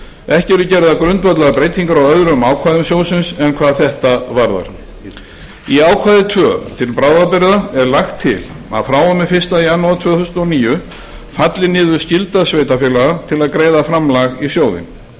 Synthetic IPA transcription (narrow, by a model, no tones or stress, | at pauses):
ɛhcɪɛɾʏcɛɾðakɾʏnt̪vœt̪laɣapɾejt̪iŋkaɾawœðɾʏmaːwkʰvaːðʏmsjoːwsɪnsɛnkʰvaːðθɛht̪avaɾða̰ɾ̥ | iaːwkʰvaːðɪt̪ʰvœːt̪ʰɪlpɾaːwðapɪɾɪðaɛɾlaxt̪ʰːɪ̰l | a̰ðfɾaːwɔmɪfɪr̥st̪aianːawðt̪ʰv̥œːθusnt̪ɔniːjʏ | fat̪lɪnɪːðʏ̥scɪlt̪asveːjt̪afɛːlaɣat̪ʰɪlaðkɾeːjðafɾamlaɣisjoːwðɪ̰n